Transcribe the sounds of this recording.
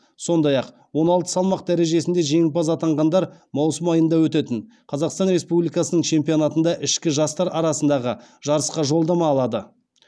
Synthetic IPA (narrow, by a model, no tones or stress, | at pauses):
so̞nd̪ɑjɑq | wo̞nɑlˠt̪ə̥sɑlˠmɑqd̪æɾe̞ʒe̞sɪnd̪e̞ʒe̞ŋɪpɑzɑt̪ɑɴʁɑnd̪ɑɾmɑwsəmɑjənd̪ɑwɵt̪et̪ɪn | qʰɑzɑqst̪ɑnɾe̞spublijkɑsənəɴt͡ʃʰe̞mpijo̞nɑt̪ənd̪ɑʔɪʃkʲɪʒɑst̪ɑɾɑɾɑsənd̪ɑʁəʒ̥ɑɾəsqɑʒo̞lˠd̪ɑmɑːlˠɑd̪ə